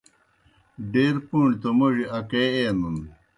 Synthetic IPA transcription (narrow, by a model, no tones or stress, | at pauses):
ɖeːɾpuɳt̪omɐʐiʔɐkeenun